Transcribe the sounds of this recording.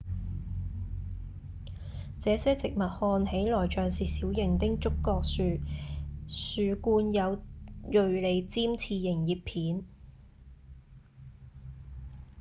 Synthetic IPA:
t͡sɛː˨˧˥sɛː˥t͡sɪ˨k̚mɐ˨t̚hɔː˧nhe˨˥jlɔː˨˩jt͡ʃœː˨ŋsiː˨siː˨˥wjɪ˨˩ŋt̪ɪ˥ŋt͡sʊ˥kːɔː˧k̚syː˨˧ | syː˨kuː˧njɐ˨˧wjɵ˨˧ɥle˨˧jt͡siː˥mt͡sʰiː˧jɪ˨˩ŋjiː˨˩ppʰiː˨˥n

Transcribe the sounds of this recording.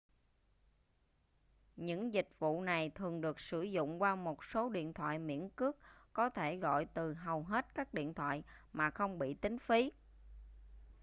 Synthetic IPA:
ɲɨ̰˧˥ŋzï˨˩k̟̚vṵ˧˨na˨˩jt̪ʰɨ˨˩əŋɗɨ˨˩ək̚sɨ˧˩zʊ̰˧˨ŋ͡mkwaː˧mo˨˩t̚so˨˦ɗḭ˧˨ənt̪ʰwa̰ː˧˨jmḭ˧˥ənkɨ˦˥ək̚kːɔ˨˦t̪ʰe˧˩ɣɔ̰˧˨jt̪ɨ˨˩ɦə˨˩wɦe˦˥t̚kaː˦˥k̚ɗḭ˧˨ənt̪ʰwa̰ː˧˨jmaː˨˩xə˧wŋ͡mɓḭ˧˨t̪ï˨˦ŋ̟fi˨˦

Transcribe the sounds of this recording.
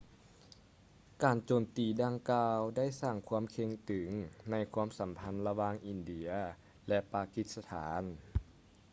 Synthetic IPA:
kaː˨˩nt͡ɕoː˨˩mt̪iː˨˩daː˧ŋkaː˧wda˥˩jsaː˧˩ŋkʰu˧˥ə˨mkʰe˧˥ŋt̪ʰɯ˨˩˦ŋna˧˥jkʰu˧˥ə˨msa˨˦mpʰa˧˥nla˧waː˧˩ŋʔi˨˩ndi˧˩˦ɐ | lɛ˧paː˧ki˧t̪̚sa˧t̪ʰa̰ː˩˦n

